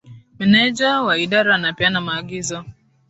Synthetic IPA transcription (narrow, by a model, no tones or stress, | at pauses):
mɛnɛd͡ʒawaiɗaɾanapianamaːɡizɔ